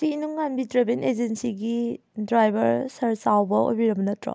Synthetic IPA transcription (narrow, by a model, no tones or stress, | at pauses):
siinuŋːanbidɾebened͡ʒensiɡi | dɾajbɐɾsɐɾsawbɐo̰jbiɾɐmbɐnɐtɾɔ̰